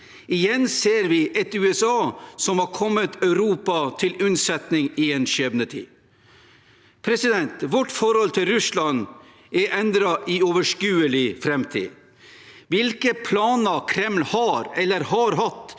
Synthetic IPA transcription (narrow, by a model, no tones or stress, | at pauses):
ɪjɛnːseːɾʋɪʔɛt̪ʉːɛsɑːsɔmhɑɾkʰɔmːət̪ʰœʉɾuːpɑt̪ʰɪlʉnsɛt̪nɪŋɪeːnʃɛbnət̪ʰḭː | pʰɾɛsɪd̪ɛnt̪ʋɔʈfɔɾhɔlt̪ʰɪlɾʉslɑn | ɛʔɛnd̪ɾɑʔɪɔːʋəʂkʉːəlɪfɾɛmt̪ʰḭː | ʋɪlkəpʰlɑːnəkʰɾɛmlhɑɾɛlːəɾhɑɾɦɑt̪